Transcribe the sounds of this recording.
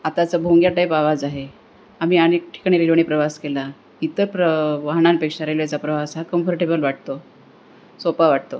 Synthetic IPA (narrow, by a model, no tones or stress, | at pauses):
at̪at͡səbʱoŋɡjaʈajpaʋad͡zaɦe | am̤iːañek̚ʈʰi̥kɽ̃iɾilʋəɳ̃iːpɾəʋaskela | it̪əɾpɾəʋaɦɳ̃anpekʂaɾajlet͡sapɾəʋasɦakəmfəɾʈebəlʋaʈ̚ʰt̪o | sopaʋaʈ̚t̪o